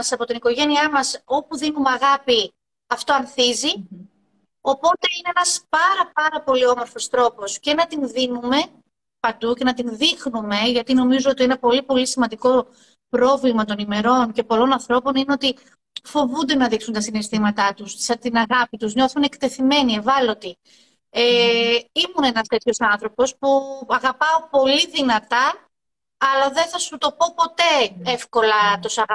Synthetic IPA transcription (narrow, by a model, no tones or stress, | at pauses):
ɐsɐpo̞t̪iniko̞ʝe̞niɐmɐso̞puðinumeɐɣɐpi | ɐft̪o̞ɐnθizi | o̞po̞t̪e̞ine̞enɐspɐɾɐpɐɾɐpo̞lio̞mo̞ɾfo̞st̪ɾo̞po̞sce̞nɐt̪inðinume̞ | pɐnd̪uce̞nɐt̪inðixnume̞ʝɐt̪ino̞mizoot̪ienɐpo̞lipo̞lisimɐnd̪iko̞ | pɾo̞vlimɐt̪o̞nime̞ɾo̞nce̞po̞lo̞nɐnθɾo̞po̞nineo̞t̪i | fo̞vund̪e̞nɐðiksunt̪ɐsinest̪imɐt̪ɐt̪usɐt̪inɐɣɐpit̪uzɲo̞θunekt̪e̞θime̞nie̞vɐlo̞t̪i | eimunenɐst̪e̞t̪ço̞sɐnθɾo̞po̞spuɐɣɐpɐopo̞liðinɐt̪ɐ | ɐlɐðe̞nθɐsut̪o̞po̞po̞t̪e̞efko̞lɐt̪osɐɐ